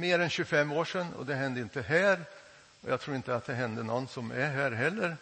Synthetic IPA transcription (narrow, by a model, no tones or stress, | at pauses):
meːɾɛnɕʉfɛmːoːʂɛnːɔ̰d̪ɛɦɛnd̪əɪnt̪əɦæːɾ | ɔjɑːt̪ʰɾuːɾɪnt̪əat̪̚d̪ɛɦɛnd̪ənɔnːsɔmæɦæːɾɦɛlːəɾ